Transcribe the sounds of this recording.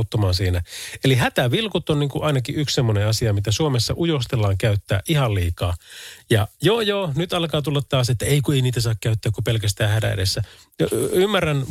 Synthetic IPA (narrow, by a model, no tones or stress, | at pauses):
t̪ːomɑːnsiːnæeliɦæt̪æʋilkut̪ːonniːŋkuʔɑinɑkiʔykssemːoneɑsiɑmit̪æsuomesːɑ̰ʔujost̪elːɑːŋkæyt̪ːæ̰ːʔihɑlliːkɑ̰ːjɑjoːjoːnyt̪ɑlkɑːt̪ulːɑt̪tɑːset̪ːæeikueiniːt̪æsɑːkkæyt̪ːæːkupelkæst̪æːhædæ̰ḛdesːæ | ymːæræn